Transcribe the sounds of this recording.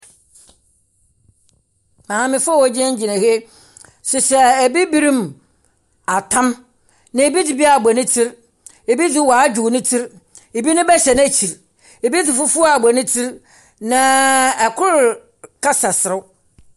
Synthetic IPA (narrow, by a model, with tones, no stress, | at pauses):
mã˨ã˨mɪ̃˦fʊ˦ɔ˦wɔ˦d͡ʑɛ̃˦ɲ̩˦d͡ʑi˨nã˨he˦ | sʊ˨sɛ˨æ˨bi˦bi˦ɾĩ˦m | a˨tʰã˦m | nɪ̃˨e˨bi˦dɪ˨bi˦a˨bɔ˨nɪ̃˦tʰi˦ɾ | e˨bi˦d͡zɪ˦wa˨˦d͡ʑᶣu˨nɪ̃˦tʰi˦ɾ | e˨bi˦nʊ̃˦bɛ˦ɕɛ˨n˦æ˦t͡ɕʰi˨ɾ | e˨bi˦d͡zɪ˨fʊ˦fʊ˦a˨bɔ˨nɪ̃˦tʰi˦ɾ | nã˨ɛ˨kʰʊ˦ɾ | kʰa˦sa˨sɪ˨ɾʊ˦